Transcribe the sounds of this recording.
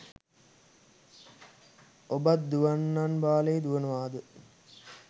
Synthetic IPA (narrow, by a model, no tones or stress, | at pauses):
obat̪̚d̪uʋanːanbaːlejd̪uʋənəʋaːd̪ə